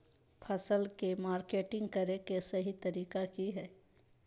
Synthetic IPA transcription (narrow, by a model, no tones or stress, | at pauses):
pʰɐsəlkemaːɾkeːʈɪ̃ŋɡkɐɾekesɐɦit̪ɐɾiːkakiɦɛː